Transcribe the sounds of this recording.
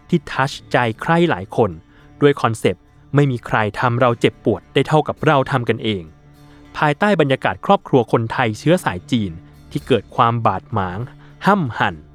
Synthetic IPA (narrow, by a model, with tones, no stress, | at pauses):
t̪ʰiː˥˩t̪ʰaː˦˥t͡ɕt͡ɕa˧jkʰɾa˥˩jla̰ː˩˦jkʰo˧n | du˥˩əjkʰɔ˧nse˨˩p̚ | ma˥˩jmiː˧kʰɾa˧jt̪ʰa˧mɾa˧wt͡ɕe˨˩pːu˨˩ət̪̚daː˥˩jt̪ʰa˥˩wka˨˩p̚ɾa˧˩wt̪ʰa˧mka˧nʔeː˧ŋ | pʰaː˧jt̪aː˥˩jba˧njaː˧kaː˨˩t̪̚kʰɾɔː˥˩p̚kʰɾu˧ɐkʰo˧nt̪ʰa˧jt͡ɕʰɯ˦˥ɐsaː˩˦jt͡ɕiː˧n | t̪ʰiː˥˩kɤː˨˩t̪̚kʰwaː˧mbaː˨˩t̪̚maː˩˦ŋha˥˩mha˨˩n